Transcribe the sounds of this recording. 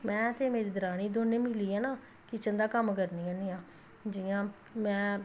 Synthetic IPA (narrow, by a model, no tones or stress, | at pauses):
mɛ̃ːt̪eːmeːɾiːd̪əɾaːñiːd̪oːnẽːmɪliːaːnaː | kɪt͡ʃənd̪aːkəmkəɾniːãːniːãː | d͡ʒijãː | mɛ̃ː